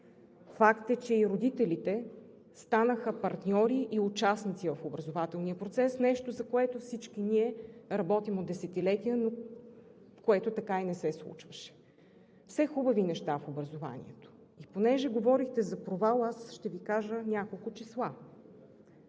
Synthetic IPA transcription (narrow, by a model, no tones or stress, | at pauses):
fakt̪ɛt͡ʃɛiɾod̪it̪ɛlit̪ɛ | st̪anəxəpɐɾt̪nʲɔɾiʔiʊt͡ʃasnit̪sivɐfobɾɐzovat̪ɛlˠniəpɾot̪sɛsnɛʃt̪ozɐkoɛt̪ofsit͡ʃkiniɛɾɐbɔt̪imod̪ɛsɛt̪ilɛt̪ijəno | fkoɛt̪ot̪ɐkainɛsɛslˠṵt͡ʃvəʃɛ̥ | fsɛxubɐvinɛʃt̪afobɾɐzova̰nḭɛ̰t̪o̥ | iponɛʒɛɡovɔɾixt̪ɛzɐpɾovalˠasʃt̪ɛvikaʒənʲjakolˠkʊt͡ʃislˠa